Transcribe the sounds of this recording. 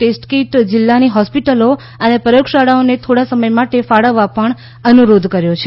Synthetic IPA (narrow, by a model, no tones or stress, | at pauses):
ʈesʈkiʈd͡ʒɪlːaniɦɔspiʈəlo | ənepəokʃaɽaonet̪ʰoɽasəməjmaʈefaɽəʋːapəɳ | ənuɾod̪ʱkəɾjot͡ʃʰe